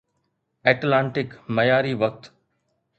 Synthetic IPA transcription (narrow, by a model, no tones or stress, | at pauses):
ɛːʈlãːɳʈɪkmɐjaːɾiʋək̚t̪